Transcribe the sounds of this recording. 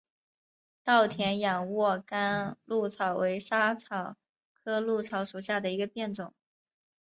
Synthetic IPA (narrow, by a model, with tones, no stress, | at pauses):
t̪ɑ˥˩ʊt̪ʰjɛ˧˥nja˨˩nwɔ˥˧ka˥nlu˥˩t͡sʰɑ˨˩ʊwʔe˧˥ɪʂa˥t͡sʰɑ˨˩ʊ | kʰɤ˥lu˥˩t͡sʰɑ˧˥ʊʂu˨˩ɕja˥˩d̪ə˩i˧˥ɡə˧pjɛ˥˩nʈ͡ʂʊ˨˩˦ŋ